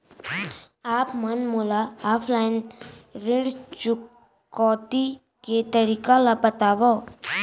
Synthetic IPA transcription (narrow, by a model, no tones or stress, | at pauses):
aːpmɐnmulaaːpʰlaɪnɾɪɳɽt͡ʃʊkː | ɔːʈ̪i | ket̪əɾiːkalapət̪aːʋo